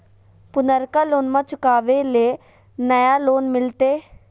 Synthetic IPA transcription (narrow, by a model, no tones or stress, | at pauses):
pʊnəɾkaːloːnmãːt͡ʃʊkaːʋeleː | nəjaːloːnmɪlt̪eː